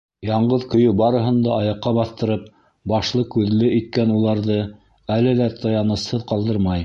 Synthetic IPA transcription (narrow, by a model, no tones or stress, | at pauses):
jɑɴɢɤðkɵ̆jɵbɑɾɤ̆ɦɤ̆nd̪ɑɑjɑqːɑβɑθt̪ɤ̆ɾɤp̚ | bɑʃlˠɤkʉðlɘʔit̪̚kænulˠɑɾðɤ | ælɘðæt̪ʰɑjɑnɤ̆shɤðqɑlˠd̪ɤɾmɑj